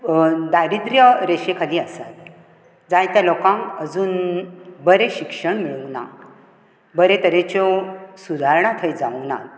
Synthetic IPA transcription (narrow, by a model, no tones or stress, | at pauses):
d̪aɾid̪ɾjəɾeɕekʰaliːəsat̪ | d͡zajt̪jalokãŋəd͡zuːnbəɾeɕikʂəɳmiɭəʋna̰ | bəɾet̪əɾet͡ɕɔsud̪ʱaɾɳãt̪ʰəjd͡zana̰t̪